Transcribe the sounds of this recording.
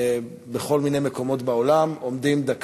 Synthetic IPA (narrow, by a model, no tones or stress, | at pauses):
beχo̞lminejmeko̞mo̞tbaolamo̞mdimd̪ak